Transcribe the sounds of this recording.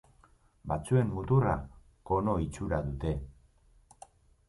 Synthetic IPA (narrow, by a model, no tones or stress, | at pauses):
bat͡sue̞mmut̪ura̰ | ko̞no̞it͡ʃuɾaðut̪e̞